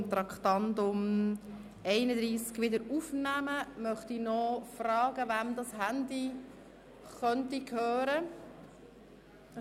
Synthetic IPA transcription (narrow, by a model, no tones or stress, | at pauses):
t̪ɾɑkχtɑndʊm | ɛɪnəd̪ɾiːskʋɪdəɾufnæməmœχtinɔfrɑːɡəʋæmd̪ɑshændi | χœntikʰøːɾə